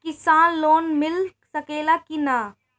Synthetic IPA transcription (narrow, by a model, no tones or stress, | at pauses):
kɪsaːnloːnmɪlsɐkeːlakina